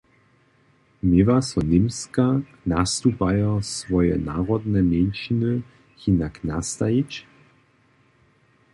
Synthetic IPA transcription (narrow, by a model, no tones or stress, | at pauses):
mɪvasɔnɪmska | nast̪upajɔsvɔjɛ̰naːʁɔd̪nɛmɛnʃinə | hinakna̰st̪ajit͡ɕ